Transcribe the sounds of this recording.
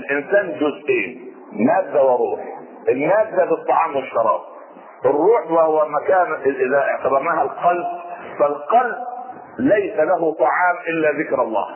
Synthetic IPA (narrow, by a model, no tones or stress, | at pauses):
ɪlʔɪnsaːnd͡ʒʊzʔeːn | maːd̪ːawɑɾˤuːħ | ʔɪnːaːd̪ːabɨt̪ˤːɑʕɑːmwɪʃːɑɾˤɑ̰ːb̚ | ʔɪrːuːħwahwamakaːnʔɪʔɪðaʔɪʕt̪abɑɾˤnaːhalqɑlb̚falqɑlb̚ | lajsalaɦʊt̪ˤɑʕɑːmʔɪlːaðɪkɾɑlˤːɑ̰ːh